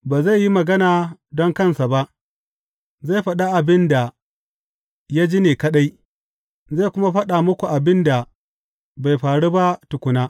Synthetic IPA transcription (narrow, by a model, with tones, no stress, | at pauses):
baː˨za˦˨jːi˦mɐ˨ɡɐ˦naː˨dɔ˦ŋkɐ˦nsa˨ba˦ʔ | za˦˨jɸɐ˦ɗa˦ʔa˨bɪ˦nda˨ | ja˦d͡ʒi˦neː˨kɐ˦ɗa˦j | za˦˨kʷʊ˦ma˦ɸɐ˦ɗa˨mʊ˦kʷu˨ʔa˨bɪ˦nda˨ | ba˨jɸaː˨ɽu˦ba˦tʊ˨kʷʊ˨naː˦